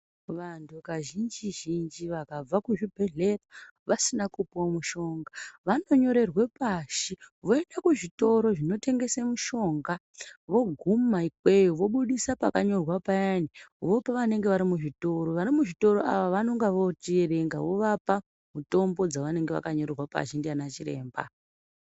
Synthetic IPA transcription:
ʋantʰukaʒind͡ʒiʒind͡ʒiʋakab͡vakuʐibʱe̞ɮe̞ra | ʋasinakupamuʃo̞ŋɡaʋano̞ɲo̞ɾe̞rwe̞paʃiʋo̞endakuʐito̞ɾo̞ʐino̞te̞ŋɡe̞semuʃo̞ŋɡa | ʋo̞ɡʱumaikwe̞joʋo̞ɓuɗisapakaɲo̞rwapajaniʋo̞paʋane̞ŋɡeʋaɾimuʐito̞ɾo̞ʋaɾimuʐito̞ɾoʔa̰ʋaʋano̞ŋɡaʋo̞tieɾe̞ŋɡaʋo̞ʋapa | muto̞mbo̞d͡zaʋane̞ŋɡe̞ʋa̰kaɲo̞ɾerwapa̰ʒindianat͡ʃiɾe̞̰ːmba̰

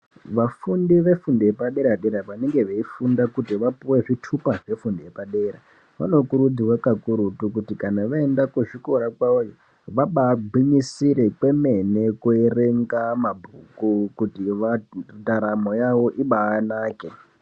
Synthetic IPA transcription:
ʋafundiʋe̞fundijepaɗe̞ɾaɗeɾaʋane̞ŋɡe̞ʋeifundakutiʋapuwe̞ʐitʰupaʐe̞fundijepaɗeɾa | ʋa̰no̞kuɾud͡ziwakakuɾutukutikanaʋaendakuʐikoɾakwaojo | ʋaɓaɡʱwiɲisiɾe̞kwe̞me̞ne̞kuereŋɡamabʱukukutiʋataɾamo̞jaʋo̞ʔiɓaːnaːke

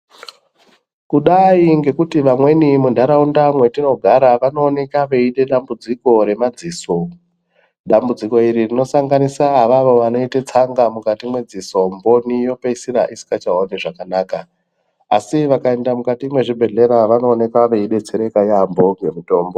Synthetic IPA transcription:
kuɗaiŋɡe̞kutiʋamwe̞nimundʱaɾaundamwe̞tino̞ɡʱaɾaʋano̞ːne̞kaʋe̞iɗe̞ɗambud͡ziko̞ɾe̞mad͡ziːso̞ | ɗambud͡ziko̞iɾirino̞saŋɡanisaːʋaʋo̞ʋano̞itet͡saŋɡamukatimwe̞d͡ziso̞mbo̞nijo̞peisiɾaʔisi̥kat͡ʃaɦoniʐakanaːkaː | siʋakae̞ndamukatimwe̞ʐibʱe̞ɮe̞ɾaʋano̞ːne̞kaʋe̞iɗe̞t͡seɾe̞kajambo̞ŋɡe̞mito̞ːmbo

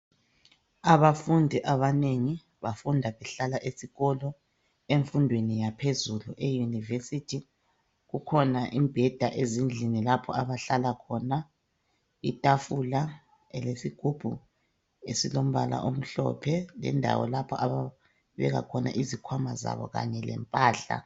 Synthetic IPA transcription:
aβafundʱiʔaβaneŋi | βafundʱaβɛɬalaʔesiɣɔlɔ | eɱfundʱwenijapʰezuluʔejunivesitʰi | ɣukʰɔnaʔimb̥ʱɛd̥ʱaʔezind͡ɮʱinilapʰɔaβaɬalakʰɔna | itʼafula | ɛlesiɡ̥ʱub̥ʱu | esilom̩βa̰la̰ʔom̩ɬɔ̰pʰɛlɛ̰ndʱa̰wɔ̰lapʰɔʔaβa | βɛ̰ɣa̰kʰɔna̰ʔizikʰwamaza̰βɔ̰ɣa̰ɲɛlɛ̰mpʼaːɬa̰

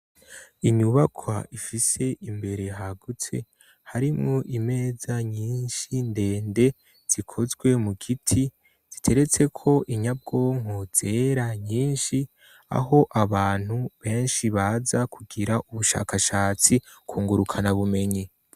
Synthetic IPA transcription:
iɲuβakʰwa̰ʔifise̞ʔimbe̞ɾe̞ɦaɡut͡se̞ | haɾimŋoʔime̞ːzaɲiːnʃinde̞ːnde̞ | z̥ikʰo̞zɡwe̞muɡitʰi | z̥itʰe̞ɾe̞t͡se̞kʰo̞ʔiɲab̚ɡo̞ːŋoz̥e̞ːɾaɲiːnʃi | a̰ɦo̞ʔaβaːn̥huβe̞ːnʃiβazakʰuɡiɾaʔuβuʃa̰ːkʰaʃaːt͡si | kʰuːŋɡuɾukʰanaβume̞ɲi

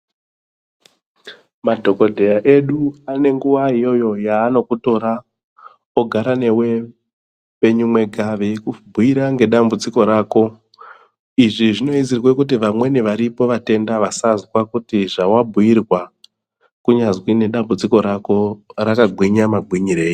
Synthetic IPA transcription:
madʱo̞ko̞dʱe̞jaʔe̞ɗuane̞ŋɡuʋaɦijo̞jo̞jaːno̞kuto̞ɾa | oɡʱaɾane̞we̞ | pe̞ɲumwe̞ɡʱaʋe̞kubʱujiɾaŋɡe̞ɗambud͡ziko̞ɾaːko̞ | iʐiʐino̞izirwekut̬iʋamwe̞niʋaɾipo̞ʋate̞ndaʋasazwakutiʐawabʱuirwa | kuɲazwine̞ɗambud͡ziko̞ɾako̞rakaɡʱwiɲamaɡʱwiɲiɾe̞ːji

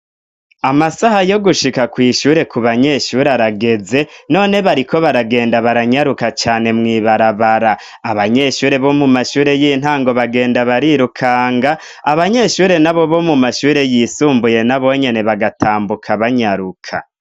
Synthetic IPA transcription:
amasahajo̞ɡuʃikakwiːʃuːɾe̞kuβaɲe̞ʃuːɾeaɾaɡe̞ze̞no̞ːne̞βaɾikʰo̞βaɾaɡe̞ːndaβaɾaɲaɾukat͡ʃaːne̞mŋiːβaɾaβaɾaː | βaɲe̞ʃuːɾe̞βo̞mumaʃuːɾe̞jiːn̥haːŋɡo̞βaɡe̞ːndaβaɾiɾukʰaːŋɡaː | βaɲe̞ːʃuːɾe̞naβo̞βo̞mumaʃuːɾe̞jiːsuːmbuje̞naβo̞ɲe̞ne̞βaɡatʰaːmbukʰaβaɲaɾukʰa̰

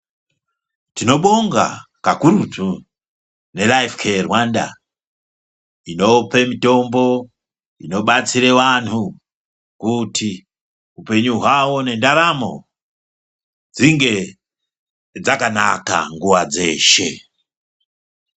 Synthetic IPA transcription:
tino̞ɓoŋɡa̰ | kakuɾutu | ne̞laifkʰerwanda̰ | ino̞pe̞mito̞mbo̞ | ino̞ɓat͡siɾeʋantu | kutʰi | upe̞ɲuɦwawone̞ndaɾamo̰ | d͡ziŋɡe̞ | d͡zakana̰ka̰ŋɡuwad͡ze̞̰ʃe̞

